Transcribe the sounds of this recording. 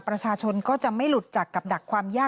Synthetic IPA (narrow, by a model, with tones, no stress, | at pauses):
pɾa˧t͡ɕʰaː˧t͡ɕʰo˧nkɔː˥˩t͡ɕa˨˩ma˥˩jlu˨˩t̪̚t͡ɕa˨˩kːa˨˩p̚da˨˩kʰːwaː˧mjaː˥˩